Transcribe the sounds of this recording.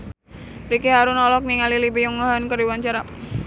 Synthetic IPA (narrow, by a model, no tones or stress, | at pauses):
ɾikiɦaɾunɔlɔk̚niŋalilibijuŋɔɦɔnkərdiwant͡ʃaɾa